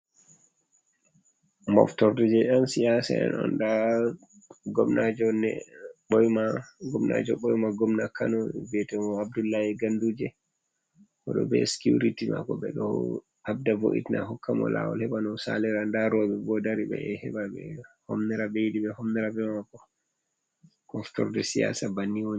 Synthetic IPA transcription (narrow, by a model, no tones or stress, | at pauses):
mɔ̰ftɔɾdid͡ʒɛʔansijasɛ̰ɛ̰nɔ̰nda | ɡɔmnad͡ʒɔnɛ̰ɓɔjmaɡɔmna̰d͡ʒɔɓɔjmaɡɔmnakʰːanɔbɛtɛmɔabdulːahɛɡandud͡ʒɛ | kɔɗɔ̰bɛ̰skjuɾitima̰kɔɓɛɗɔ̰ | habdavo̰ʔḭtna̰ɦɔkːamɔ̰la̰wɔ̰lhɛɓanɔsa̰lɛɾandaɾɔɓɛbɔdaɾiɓɛ̰hɛɓaɓɛ̰hɔmnɛɾabejdiɓɛhɔmnɛɾabɛmakɔ | kɔnfi̥tɔɾdɛsija̰sabanːiwoɲ